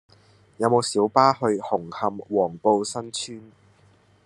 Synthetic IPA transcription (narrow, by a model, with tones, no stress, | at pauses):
jɐ˨˧wmo˨˧wsiː˨˥wpaː˥hɵ˧ɥhʊ˨˩ŋhɐ˧mwɔː˨˩ŋpo˧wsɐ˥nt͡ʃʰyː˥n